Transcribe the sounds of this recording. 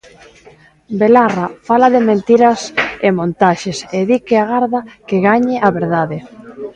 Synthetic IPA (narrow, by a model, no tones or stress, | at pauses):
belarafalaðɪmẽnt̪iɾɐsemõnt̪aʃeseðikeaɣaɾðakeɣaɲɪʔaβeɾðaðɪ